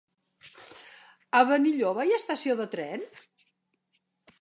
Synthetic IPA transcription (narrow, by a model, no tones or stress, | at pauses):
əβəniʎoβajəst̪əsioðət̪ɾɛn